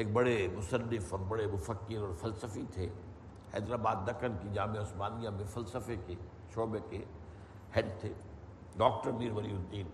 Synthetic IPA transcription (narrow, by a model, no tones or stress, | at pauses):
ɦek̚bɐɽemʊsənːɪfɔːɾbɐɽemʊfəkːɪɾɔːɾfɐlsəfit̪ʰeː | hɛ̰ːd̪ɾaːbaːd̪ːɐkənkid͡ʒaːmẽʊsmaːnijãmẽfɐlsəfekʰe | ʃoːbekʰe | hɛɖt̪ʰeː | ɖɔːk̚ʈəɾniːɾʋəɾiɦʊ̃nd̪iːn